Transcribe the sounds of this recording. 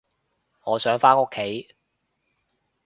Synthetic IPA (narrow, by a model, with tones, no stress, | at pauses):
ŋɔː˨˧sœː˨˥ŋfaː˥no˥kʰːe˨˥j